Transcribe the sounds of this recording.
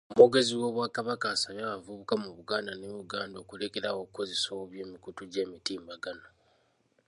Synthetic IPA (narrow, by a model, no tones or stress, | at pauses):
omoɡe̞ziwo̞ːβwaːkaβakaːsaβjaːβavuβukamuβuɡaːndaneβuɡaːndo̞ːkuleke̞ɾawo̞kuko̞zesowoβje̞ːmikutuɟe̞ːmitiːmbaɡano